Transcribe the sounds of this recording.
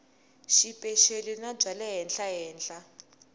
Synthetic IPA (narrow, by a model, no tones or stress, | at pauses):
ʃipʼɛʃelinab͡ʐʱalɛɦɛnɬaɦɛːnɬa